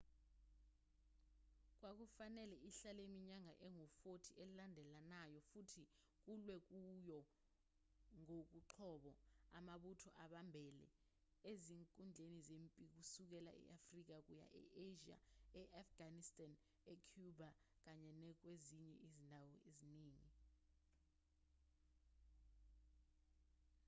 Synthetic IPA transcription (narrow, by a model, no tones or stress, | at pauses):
k̬wak̬ufanɛlɛʔiɬalemiɲaŋʱaʔɛŋɔfotʰiɛlilandʱɛlanajɔfutʰi | k̬ulwɛk̬ujɔ | ŋok̬uǃʰɔɓɔamaɓutʰɔʔaɓambʱɛlɛ̰ | eziŋkʼund͡ɮʱenizempʼik̬usuk̬ɛla̰ʔɛ̰ʔafrik̬ak̬uja̰ʔɛ̰ʔeʒia̰ɛʔafɡ̥anistʼan | ɛkʰjuba | k̬aɲɛnɛk̬weziɲɛʔizindʱawɔeziniːŋi